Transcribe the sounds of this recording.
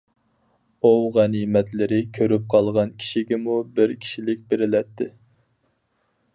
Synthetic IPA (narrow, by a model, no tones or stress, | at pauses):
uwʁænimɛt̪lɪɾɪkʲʰøɾyp̚qʰɑlˠʁɑnkʲʰi̥ʃiɡʲɛmubɪɾkʲʰi̥ʃilɪk̚ʲbeɾɪlɛt̪ʰːɪ